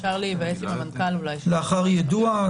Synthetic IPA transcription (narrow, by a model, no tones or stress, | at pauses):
aʁlivajesimamankalulajleaχaʁjad̪ua